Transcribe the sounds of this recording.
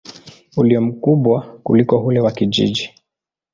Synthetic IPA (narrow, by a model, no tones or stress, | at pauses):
uliɔm̩kuɓwakṵlikɔɦulɛwakiʄḭʄi